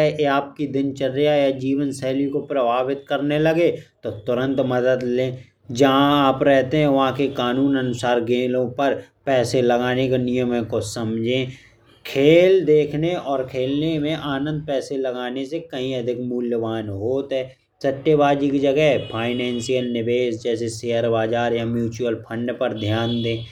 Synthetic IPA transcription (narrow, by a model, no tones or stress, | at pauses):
ɛeaːp̚kid̪ɪnt͡ʃɐɾːijajad͡ʒiːʋənsɛɦlikopɾɐbaːbɪt̪̚kɐɾnelɐɡet̪ot̪ʊɾə̃nt̪mɐd̪əd̪lẽː | d͡ʒɐɦãaːpɾɛɦt̪eɦɛ̃ʋɐɦãkekaːnuːnɐnʊsaːɾɡeːlõpɐɾ | pɛːselɐɡaːnekenɪjəmə̃kosɐmd͡ʒʱẽː | kʰeːld̪eːkʰneɔːɾkʰeːlnemẽʔaːnə̃nd̪̚pɛːselɐɡaːnesekɐɦĩɐd̪ʱɪkmʊljəʋaːnɦoːt̪ɦɛː | sɐʈ̪ːjəbaːd͡ʒikid͡ʒɐɡəɦɛpʰaːɪnɛ̃ːnsijəlnɪʋeːʃd͡ʒɛːseseːɦəɾbaːd͡ʒaːɾjamjuːt͡ʃuəlpʰə̃ɳɖpɐɾd̪ʱjaːnd̪ẽː